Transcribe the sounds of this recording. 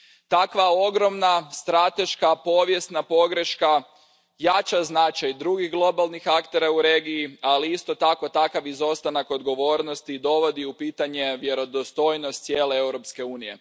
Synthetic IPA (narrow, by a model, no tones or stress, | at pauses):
t̪akʋao̞ɡɾo̞mnast̪ɾat̪e̞ʃkapo̞ʋje̞st̪napo̞ɡɾe̞ʃka | jat͡ʃaznat͡ʃajd̪ɾuɡiɣɡlˠo̞balˠnixakt̪e̞ɾauɾeɡiialiist̪o̞t̪ako̞t̪akaʋizo̞st̪anako̞d̪ɡo̞ʋo̞ːɾno̞st̪id̪o̞ʋo̞d̪iupiːt̪aɲe̞ʋje̞ɾo̞d̪ost̪o̞jnost̪sjeːle̞ewɾo̞pske̞uːnije̞